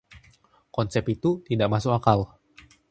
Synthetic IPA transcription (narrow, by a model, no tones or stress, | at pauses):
kɔnsɛpit̪ut̪idaʔmasʊkakal